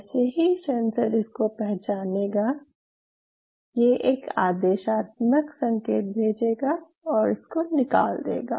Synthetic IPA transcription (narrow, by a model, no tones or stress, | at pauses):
seɦisɛ̃nsəɾɪskopɛɦt͡ʃaːneːɡa | jeʔeːka̰ːd̪eːʃaːt̪məksɐ̃ŋkeːt̪̚bʱeːd͡ʒeːɡa | ɔːɾɪskonɪka̰ːld̪ḛːɡa̰ː